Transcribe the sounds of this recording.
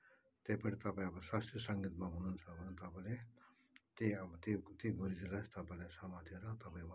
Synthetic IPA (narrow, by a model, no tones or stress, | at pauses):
t̪ejpʌʈʰit̪ʌpãĩʌbʌswast̪esʌŋɡit̪maɦununt͡sʰʌbʱʌnet̪ʌpale | t̪iʌbʌt̪it̪iɡuɾid͡zilʌst̪ʌpalesamat̪ʰieɾʌt̪ʌpaĩw